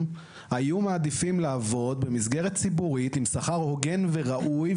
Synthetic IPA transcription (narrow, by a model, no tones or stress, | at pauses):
hajumaːd̪ifimlaːvo̞d̪̚be̞mis̬ɡe̞ʁett͡sibuʁit̪imsaχaʁho̞ɡe̞nve̞ʁaʔuj